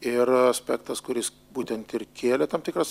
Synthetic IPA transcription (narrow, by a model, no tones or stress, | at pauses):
ɪɾɐsʲpʲæːkt̪ɐskʊɾʲɪs | buːt̪ʲɛnt̪ɪrkʲeːlʲɛt̪ɐmpt̪ʲɪkɾɐs